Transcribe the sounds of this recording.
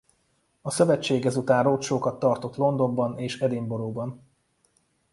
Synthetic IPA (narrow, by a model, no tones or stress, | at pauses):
ɒsø̞vɛt͡ʃːeːɡɛzut̪aːrrot̪ʃoːkɒt̪ːɒrt̪o̞t̪lo̞nd̪o̞mbɒneːʃɛd̪eːmbo̞ɾoːbɒn